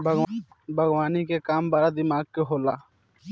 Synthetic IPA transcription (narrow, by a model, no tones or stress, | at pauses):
bʱɡ | bʱəɡwaːnikekaːmbaːɾad̪ɪmaːɡ̚keɦoːlaː